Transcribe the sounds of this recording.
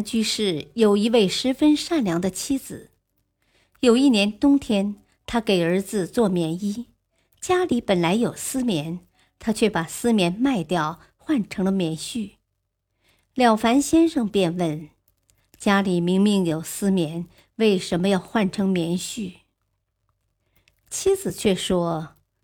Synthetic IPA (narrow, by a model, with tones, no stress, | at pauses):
nt͡ɕy˥ʂɻ̩˥˩jo˨˩ʊi˧˥we˥˩ɪʂɻ̩˧˥fə˥nʂa˥˩nljɑ˧˥ŋd̪ə˧t͡ɕʰi˥d͡zɹ̩˨˩ | jo˨˩ʊi˥˩njɛ˧˥nt̪ʊ˥ŋt̪ʰjɛ˥n | t̪ʰa˥ke˨˩ɪə˞˧˥d͡zɹ̩˧t͡swɔ˥˩mjɛ˧˥ni˥ | t͡ɕja˥li˧˥pə˨˩nla˧˥ɪjo˨˩ʊsɹ̩˥mjɛ˧˥n | t̪ʰa˥t͡ɕʰɥɛ˥˩pa˨˩sɹ̩˥mjɛ˧˥nma˥˧ɪt̪jɑ˥˩ʊ | xwa˥˩nʈ͡ʂʰɤ˧˥ŋlə˧mjɛ˧˥nɕy˥˩ | ljɑ˨˩ʊfa˧˥nɕjɛ˥nʂɤ˥˧ŋpjɛ˥˧nwə˥˩n | t͡ɕja˥li˨˩mi˧˥ŋmi˥˩ŋjo˨˩ʊsɹ̩˥mjɛ˧˥n | we˥˩ɪʂə˧˥nmə˧jɑ˥˧ʊxwa˥˩nʈ͡ʂʰɤ˧˥ŋmjɛ˧˥nɕy˥˩ | t͡ɕʰi˥d͡zɹ̩˨˩t͡ɕʰɥɛ˥˩ʂwɔ˥